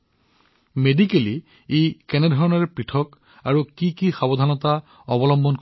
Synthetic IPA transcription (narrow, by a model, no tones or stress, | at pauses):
medikeli | ekɛnɛdʱɔɹɔnaɹɛpɹitʰɔk | aɹukikixabɔdʱanɔta | ɔbɔlɔmbʱɔnk